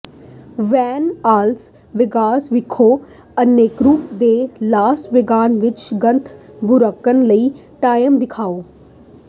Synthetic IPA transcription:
ʋɛːnaːls | ʋɪɡaːsʋɪkʰoː | əneːkɾuːpd̪eːlaːsʈʋɪɡaːnʋɪt͡ʃɡə̃nt̪ʰbʱʊɾəkːənləiː | ʈaːjəmd̪ɪkʰaːoː

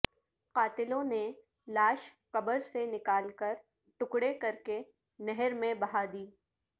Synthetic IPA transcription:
qaːt̪ɪlõne | laːʃ | kɐbəɾsenɪkaːlkɐɾ | ʈʊkɽekɐɾke | nɛɦɛɾmẽbɐɦad̪iː

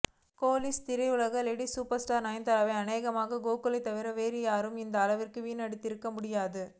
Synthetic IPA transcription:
koːlɪst̪ɪɾɐɪʋɯlɐɣɐlɛɽisuːpɐɾsʈaːɾnɐɪnd̪ɐɾɐʋɐɐneːɣɐmaːɣɐɡoːkɯlɐɪt̪ːɐʋɪɾɐʋeːɾɪjaːɾɯmɪnd̪ɐːlɐʋɪrkɯʋiːnɐɽɯt̪ːɪɾɯkːɐmʊɽɪjaːðɯ

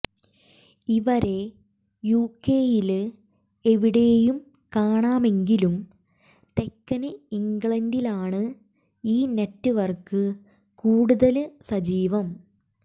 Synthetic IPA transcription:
iʋɐɾe̞ | juːkːeːjil | e̞ʋiɽe̞jum | kaːɳaːme̞ŋɡilum | t̪e̞kːɐnɨiŋɡɭɐndilaːɳɨ | iːnetːɨʋɐrkɨ | kuːɽuðɐlsɐd͡ʑiːʋɐm

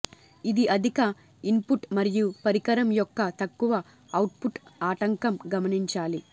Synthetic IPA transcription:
id̪iʔɐd̪ʱikɐ | impuʈmɐɾijupɐɾikɐɾɐmjɔkːɐt̪ɐkːuʋɐ | ɐwʈ̚puʈaːʈɐŋkɐmɡɐmɐniɲt͡ʃaːli

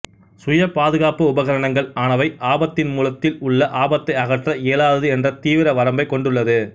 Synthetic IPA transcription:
sʊjɐpaːðɯɣaːpɯʊbɐɣɐɾɐɳɐŋɡɐɭaːnɐʋɐɪʔaːbɐt̪ːɪnmuːlɐt̪ːɪlʊɭːɐʔaːbɐt̪ːɐɪɐɣɐʈrɐeːlaːðɐðɯɛndrɐt̪iːʋɪɾɐʋɐɾɐmbɐɪkːɔɳɖɯɭːɐðɯ

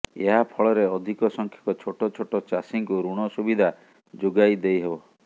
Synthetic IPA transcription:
ḛɦapʰɔɭɔɾeɔd̪ʱikɔsɔŋkʰjɔ̥kɔt͡ʃʰoʈɔt͡ʃʰoʈɔt͡ʃasiŋkuɾuɽ̃ɔsubid̪ʱa | d͡ʒoɡajd̪ejɦebɔ

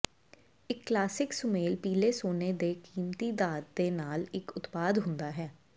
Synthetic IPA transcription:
ɪkːlaːsɪksʊmeːlpiːleːsoːneːd̪eːkiːmt̪iːd̪aːt̪̚d̪eːnaːlɪkʊt̪paːd̪ɦʊ̃nd̪aːɦɛː

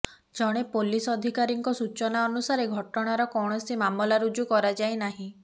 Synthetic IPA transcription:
d͡ʒɔɽ̃epolisɔd̪ʱikaɾiŋkɔsut͡ʃɔnaɔnusaɾeɡʱɔʈɔɽ̃aɾɔkɔwɽ̃ɔsimamɔlaɾud͡ʒukɔɾad͡ʒajnaɦĩ

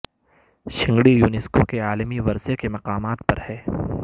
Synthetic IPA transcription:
ʃɪ̃ŋɡɽijuːnɪskokeaːlmiʋɐɾsekemɐqaːmaːt̪̚pɐɾhɛː

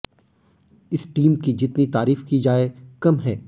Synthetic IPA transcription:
ɪsʈiːmkid͡ʒɪt̪nit̪aːɾiːfkid͡ʒaːekɐmɦɛː

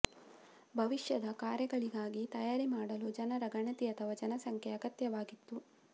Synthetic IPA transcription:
bʱɐʋiʃjɐd̪ɐkaːɾjɐɡɐɭiɡaːɡit̪ɐjaːɾimaːɽɐlud͡ʒɐnɐɾɐɡɐɳɐt̪iɐt̪ʰɐʋɐd͡ʒɐnɐsɐŋkʰeɐɡɐt̪jɐʋaːɡit̪ːu

